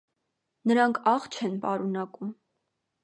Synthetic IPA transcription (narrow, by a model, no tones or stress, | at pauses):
nəɾɑŋkʰɑχt͡ʃʰɛnpɑɾunɑkum